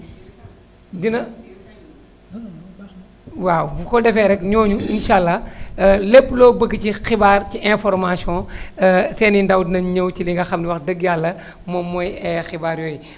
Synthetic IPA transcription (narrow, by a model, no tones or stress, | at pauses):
dinɐ | wawbkɔdɛfɛɾɛkɲɔːɲuinʃaːlːɐ | lepːlɔːbəɡːəcixibaːrciʔɛ̃fɔɾmasiɔ̃ | sɛːnindɐwdnɐɲəwciliŋɡɐxɐmniwɐxdəɡjalːɐ | mɔmːɔjɛxibaːɾjɔːj